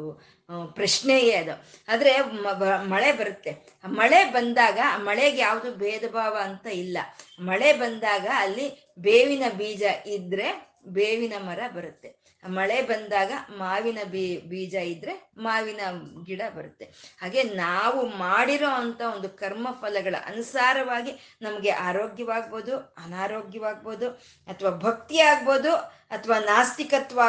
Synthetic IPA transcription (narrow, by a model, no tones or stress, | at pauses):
pɾɐʂneːɡeɐd̪uaːd̪ɾe̞ɐmɐɭebɐɾut̪ːe | mɐɭe̞bɐnd̪aːɡɐmɐɭeɡjaːʋud̪ubeːd̪ɐbʱaːʋɐːnt̪ɐilːɐmɐɭe̞bɐnd̪aːɡɐːlːi | beːʋinɐbiːd͡ʒɐʔid̪ɾe̞ | beːʋinɐmɐɾɐbɐɾut̪ːe̞ | mɐɭebɐnd̪aːɡɐmaːʋinɐbbiːd͡ʒɐid̪ːɾe̞maːʋinɐɡiɽɐbɐɾut̪ːe̞haːɡe̞naːʋumaːɽiɾoːɐnt̪ɐo̞nd̪ukɐɾmɐpʰɐlɐɡɐɭɐ̰ʔɐ̰nusaːɾɐʋaːɡinɐmɐɡe̞ʔaːɾoːɡjɐʋaːɡ̚bo̞ːd̪uɐnaːɾoːɡjɐʋaːɡ̚bo̞ːd̪u | ɐt̪ʰʋaːbʱɐk̚t̪iaːɡbo̞ːd̪u | ɐt̪ʰɐʋaːnaːst̪ikɐt̪ʋaː